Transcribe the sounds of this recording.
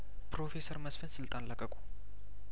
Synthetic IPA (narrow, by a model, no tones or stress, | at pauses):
pɾo̞fe̞səɾməsfənsɨlt̪ʼanləkʼːəkʼu̥